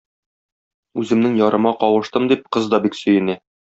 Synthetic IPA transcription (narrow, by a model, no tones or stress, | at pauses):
ʉzɘ̆mnɘŋjɒɾʔɤ̆mɑqɒwɤ̆ʃt̪ɤmd̪ip̚qɤzd̪ɒbiksɵ̆jɘ̆næ